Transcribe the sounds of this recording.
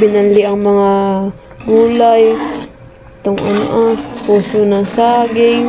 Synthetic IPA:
bɪnanlɪʔɐŋmɐŋa | ɡuːlaj | t̪oŋʔɐ̰no̰ʔapuːsonaŋsaːɡɪŋ

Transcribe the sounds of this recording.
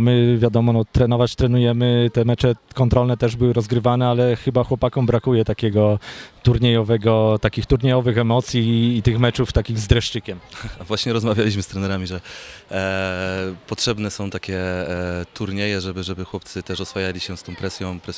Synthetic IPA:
mɘvʲjad̪ɔmɔnɔt̪ɾɛnɔvat͡ɕt̪ɾɛnujɛmɘt̪ɛmɛt͡ʂɛkɔnt̪ɾɔlnɛt̪ɛʐbɘwɘɾɔzɡɾɘvanɛalɛxɘbaxwɔpakɔmbɾakujɛt̪akʲɛɡɔt̪uɾɲejɔvɛɡɔt̪akʲixt̪uɾɲejɔvɘxɛmɔt̪sʲjiːt̪ɘxmɛt͡ʂuft̪akʲiɣzd̪ɾɛʂt͡ʂɘkʲɛmvwaɕɲɛɾɔzmavʲjalʲiɕ̬mɘst̪ɾɛnɛɾamʲiʐɛ | pɔtʂɛbnɛsɔ̃w̃t̪akʲɛ | t̪uɾɲejɛʐɛbɘʐɛbɘxwɔp̚t̪sɘt̪ɛʂɔsfajalʲiɕɛst̪ɔ̃w̃pɾɛsʲjɔ̃w̃pɾɛs

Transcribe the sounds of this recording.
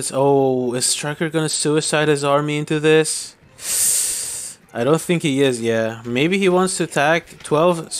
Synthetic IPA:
tsoʊɪz̥tʰɹ̥ɛkə˞ɡʌnɨsʉɨsaɪɾ̚ɨzɑɹmiɪ̃ntʉðɪs | aɪɾõʊ̃nθɪ̃ŋkhiɪzjæmeɪbiiwɑ̃ntstʰɨtʰæk̚tʰw̥ɛlˠv̥

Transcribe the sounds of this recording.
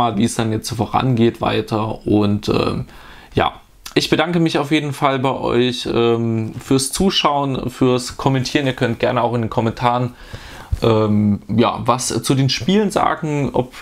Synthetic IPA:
aːlviːsd̥anjɛt͡stːfoːʁa̰nɡeːtv̥a̰ɪtʰɐʔʊntʔɛ̰ːm | ja̰ː | ʔɪçb̥ədaŋkəmɪçaʊfjeːdn̩falbaɪʔɔ̰ʏçʔɛːmfyːɐst͡suːʃaʊənfyːɐskʰɔmɛntʰiːʁniːɐkʰœnt̚ɡ̥ɛɐnəaʊχɪndeːnkʰɔmɛntʰaːʁən | ʔɛːmja̰ːvast͡sudeːnʃpiːlənza̰ːɡŋ̩ʔɔ̰p

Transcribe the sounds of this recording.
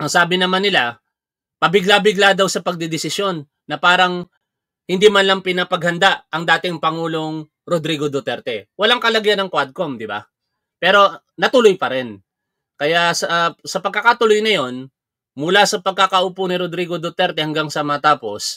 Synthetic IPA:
ʔɐŋsaːbɪnɐmanɪla | pɐbɪɡlabɪɡlad̪awsɐpɐɡ̚d̪ɪd̪ɪsɪsjo̞nː | ɐpaːɾɐŋ | hɪnd̪iːmɐnlɐŋpɪnɐpɐɡ̚hɐnd̪aʔʔɐŋd̪aːt̪ɪŋpɐŋuːlo̞ŋ | ɾod̪ɾiɡod̪ot̪ɛɾt̪ɛwɐlaŋkɐlɐɡjanɐŋkwad̪̚komd̪ɪba̰ | pɛːɾo̞ | nɐt̪ʊlojpɐɾɛn | kɐjasɐsɐpɐɡ̚kɐkat̪ʊlojnɐjo̞n | mʊlasɐpɐɡ̚kakɐʔuːponɪɾod̪ɾiːɡo̞d̪ot̪ɛɾt̪ɛhɐŋɡaŋsɐmɐɐt̪aːpo̞̰s

